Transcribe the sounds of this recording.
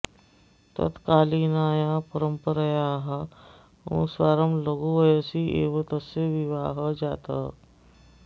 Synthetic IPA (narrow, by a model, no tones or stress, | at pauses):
t̪ə̰t̪kalinajapəɾəmpəɾəjaɦa | ʋṵ̃sʋaɾəmləɡuʋəjəsiːʔḛʋət̪əseʋiʋaɦəd͡ʑat̪a̰